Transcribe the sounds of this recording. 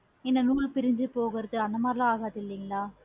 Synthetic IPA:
ɪnːɐnuːlpɪɾɪɲd͡ʒɯpoːɣɪɾɐðɯɐnd̪ɐmaːɾɪlãːaːɣaːt̪ːɪlːiŋɡɐɭaː

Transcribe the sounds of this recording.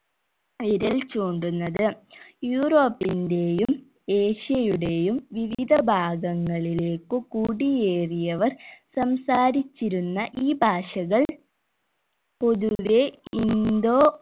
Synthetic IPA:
ʋiɾɐlt͡ɕoːɳɖunːɐðɨjuːro̞ːpːinde̞jum | eːɕijɐjuɽe̞jumʋiʋid̪ʱɐbʱaːɡɐŋːɐɭile̞ːkːɨkuːɽijeːrijɐʋɐrsɐmsaːɾit͡ɕːiɾunːɐʔiːbʱaːʂɐɣɐɭ | po̞ðuʋe̞ind̪o̞ː

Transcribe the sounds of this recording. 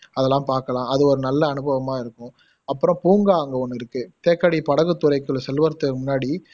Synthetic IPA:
ɐðɛlːãːmpaːɾkɐlãːɐðɯɔɾɯnɐlːɐːnɯbɐʋɐmaːɪɾɯkːʊ̃ | ɐpːɯɾɔ̃puːŋɡaːɐŋɡɐɔnːɯɪɾɯkːɯt̪eːkːɐɽipɐɽɐɣɯt̪ːʊɾɐɪkːɯɭsɛlʋɐɾt̪ːɯmʊnːaːɽi

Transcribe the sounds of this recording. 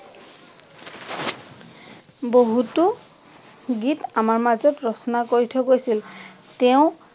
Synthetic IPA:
boɦutu | ɡitamaɹmazɔtɹɔsɔnakoɹitʰɔɡojsil | tɛʊ̃

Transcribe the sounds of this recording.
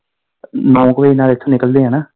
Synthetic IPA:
nɔ̃ːkʋeinaːlɪt̪ʰːõːnɪkəld̪eːɦɛ̃ːnaː

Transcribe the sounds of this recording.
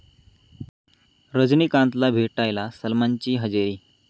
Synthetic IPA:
ɾəd͡znikãnt̪labʱeʈajlasəlmaɲt͡ɕiːɦəd͡ʑeɾiː

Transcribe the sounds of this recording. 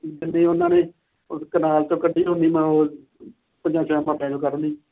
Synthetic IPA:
d͡ʒɪnːeːʊnãːneː | skənaːlt̪õːkəɖʱiːɦõniːmə̃ːoː | pəd͡ʒãːsɔːɛ̃ːməɾlẽːd͡ʒõːkəɾniː

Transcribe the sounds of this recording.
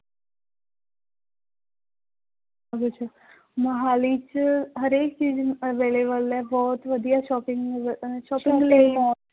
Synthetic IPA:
aɡut͡ʃʰa | mɐɦaːlit͡ʃɦɐɾeːk̚t͡ʃiːzɐʋeːlebəlɛbɔːt̪ʋɐd̪ijaʃɔːpɪ̃ŋɡʃɔːpɪ̃ŋɡleimɔːt̪

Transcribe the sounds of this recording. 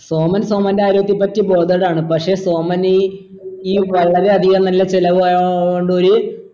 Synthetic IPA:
so̞ːmɐnso̞ːmɐndeaːjiɾubɐt̪̬ːipɐtːibo̞ːd̪ɐɽaːɳɨpɐkʂe̞ːso̞ːmɐni | iːʋɐɭːɐɾe̞ɐðiɣɐnɐlːɐt͡ɕilɐʋɨaoɳɖoɾu

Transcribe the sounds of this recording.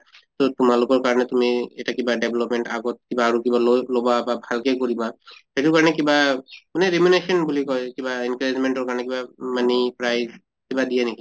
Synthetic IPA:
t̪ɔtumalʊkɔɹkaɹɔnɛtumiɛtakibaɖebʱlɔpmɛɳʈaɡɔt̚kibaːɹukiballobababʱalkekoɹibahetukaɹɔnɛkibamanɛɹimunesɔnbulikɔjkibainkaɹezmenʈɔɹkaɹɔnɛkibamanipɹajz | kibadijaneki

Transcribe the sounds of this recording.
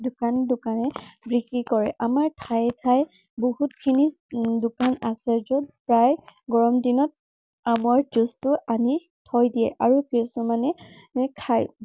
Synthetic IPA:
dʊkandʊkanɛbɹikikɔɹɛʔamaɹtʰajɛtʰaj | boɦut̚kʰini | dʊkanasɛzɔdpɹajɡɔɹɔmdinɔt̚ | amaɹtustʊʔani | tʰɔjdijɛ̰ʔaɹukɹisumanɛ | kʰaj

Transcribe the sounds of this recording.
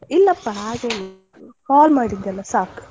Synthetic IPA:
ilːɐpːɐɦaːɡeːni | kaːlmaːɽind̪ɛlːɐsaːk

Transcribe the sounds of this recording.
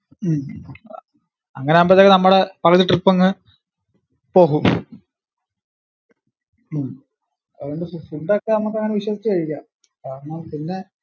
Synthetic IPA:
m | ɐŋːɐneɐmbɐt̪ːkːenɐmːuɽepɐɣɐðiʈripːɐŋːɨ | po̞ːɣum | m | ðeɳɖɨffuɳɖokːeɐmːɐk̬ːeɐŋːɐneʋiɕwɐsit͡ɕːɨkɐɻikʲːa | kaːɾnaːmpinːe̞

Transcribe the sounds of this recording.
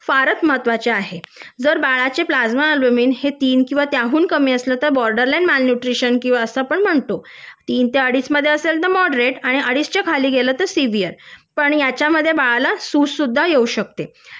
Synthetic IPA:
faɾət̪m̤at̪ʋat͡ɕeaɦed͡zəɾbaɭat͡ɕeplad͡zmaəlbəmiːnhet̪iːnkĩw̃ʋat̪jaɦuːnkəmiːəslət̪əɾbɔɾɖəɾlajnmalnuʈɾiɕənkĩw̃ʋaəsəapəɳm̤əɳt̪o | t̪iːnt̪eəɽiːt͡sməd̪ʱːjeəseld̪əmɔɖɾeʈaɽ̃iəɽist͡ɕakʰaliːɡʱelət̪əɾsiʋijəɾpəɳjat͡ɕjaməd̪ʱːjebaɭalasussud̪ʱːajeuɕək̚t̪e

